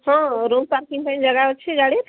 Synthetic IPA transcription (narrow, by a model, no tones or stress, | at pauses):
hə̃ɾompaɾkĩŋʈajnd͡ʒəɡaət͡ʃʰɛɡaɽet̪